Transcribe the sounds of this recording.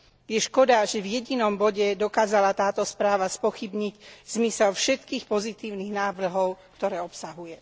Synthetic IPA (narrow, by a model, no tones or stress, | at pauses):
jɛʃkɔd̪aʒɛvjɛɟinɔmbɔɟɛd̪ɔkaːzalat̪aːt̪ɔspɾaːʋaspɔxibɲiɟz̥misɛlfʃɛt̪kiːxpɔzit̪iːʊniɣnaːʋr̩ɦɔʊkt̪ɔɾɛːɔpsaɦujɛ